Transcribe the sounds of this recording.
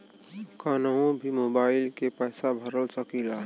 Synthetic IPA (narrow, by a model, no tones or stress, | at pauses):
kənəõbʱimobaɪlkepəjsabʱəɾəlsəkila